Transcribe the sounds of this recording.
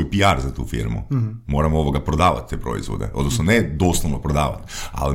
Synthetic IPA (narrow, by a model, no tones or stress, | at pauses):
ojpiaɾzat̪ṵːfḭɾmṵmoɾamooʋoɡapɾod̪aːʋa̰t̪̚t̪ːepɾo̰ḭzʋo̰d̪ḛʔo̞d̪nosnoned̪oslˠoʋnopɾod̪aːʋa̰t̪a̰li